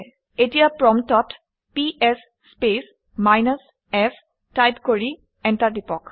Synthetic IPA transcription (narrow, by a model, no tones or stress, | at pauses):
etiapɹɔmtɔt | piʔɛsːpes | majnas | ɛf | tajd̪koɹi | ɛnʈaʈipɔk